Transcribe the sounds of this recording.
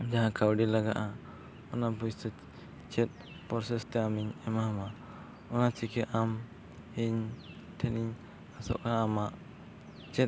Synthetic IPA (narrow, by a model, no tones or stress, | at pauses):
d͡ʒaɦãkawɖilaɡaʔa | ɔnabutɛ | t͡ʃɛt̪̚ | pɔɾsɛst̪ɛamiɲɛmaɦama | ɔnat͡ʃikɛʔam | iɲ | t̪ʰɛniɲ | asɔ̰ʔkaːmaʔ | t͡ʃɛt̪̚